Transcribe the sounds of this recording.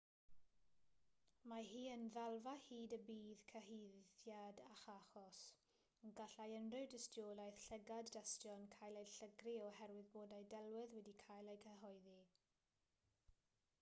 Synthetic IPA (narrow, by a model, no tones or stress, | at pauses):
maɦiːənðalˠvahiːdəbiːðkʰəɦejðjadaχaχɔs | nɡaɬajənrɨwdɪstjoːlajθɬɛɡadːastjɔnkʰajlˠejɬəɡriɔhɛrwɪðboːdajdɛlˠwɪðwɛdikʰajlˠejkʰəɦɔɨði